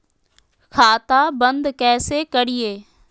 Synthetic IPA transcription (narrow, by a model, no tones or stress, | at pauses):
xʰaːt̪aːbə̃nd̪kɛːsekəɽieː